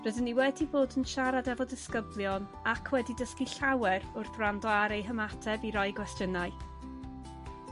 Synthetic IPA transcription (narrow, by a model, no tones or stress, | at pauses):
rədənːiwɛdiboːdənʃaɾadɛvɔdɪskəblˠjɔn | akʰwɛdidəskiɬawɛɾʊrθrandɔaɾejɦəmatʰɛbiɾɔɨɡwɛstjənaɨ